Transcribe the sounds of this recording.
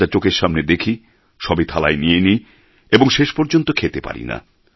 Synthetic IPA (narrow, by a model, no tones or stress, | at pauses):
at͡ɕokeɾʃamned̪ekʰi | ʃɔbit̪ʰalaenieni | eboŋʃeʃpɔɾd͡ʑont̪okʰet̪epa̰ɾḭna̰